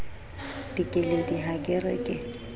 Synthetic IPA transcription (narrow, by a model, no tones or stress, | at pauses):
d̥ikʼɪlediɦakʼɪrɛ̰kʼɪ